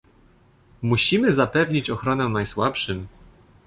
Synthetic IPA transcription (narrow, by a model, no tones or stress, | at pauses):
muɕimɘzapɛvɲit͡ɕɔxɾɔnɛnajswapʂɘm